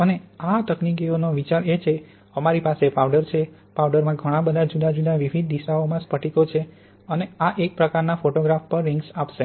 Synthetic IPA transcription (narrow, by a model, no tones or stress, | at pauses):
əneat̪əknik̬ionoʋit͡ʃaɾet͡ʃʰe | əmaɾipasepawɖəɾt͡ʃʰe | pawɖəɾmãɡʱəɽ̃ãbəd̪ʱad͡ʒud̪ad͡ʒud̪aʋiʋʱid̪̚d̪iʃaomãspəʈʰikot͡ʃʰe | əneaʔek̚pɾəkaɾnafoʈoɡɾafpəɾːiŋɡsapʃe